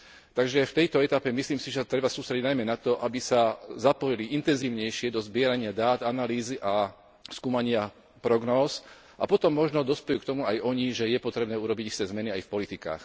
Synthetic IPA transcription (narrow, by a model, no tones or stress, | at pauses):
t̪aɡʒɛft̪ɛjt̪ɔɛt̪apɛmisliːmsiʒɛt̪ɾɛbasuːst̪ɾɛɟiɟnajmɛnat̪ɔʔabisazapɔjiliʔint̪ɛnziːʊɲɛjʃɪɛd̪ɔzbɪɛɾaɲɪad̪aːd̪analiːziʔa | skuːmaɲɪa | pɾɔɡnɔːz | ʔa̰pɔt̪ɔmːɔʒnɔd̪ɔspɛjuːkt̪ɔmuajɔɲiʒɛjɛpɔt̪ɾɛbnɛːuɾɔbiɟist̪ɛːzmɛniajfpɔlit̪ika̰ːx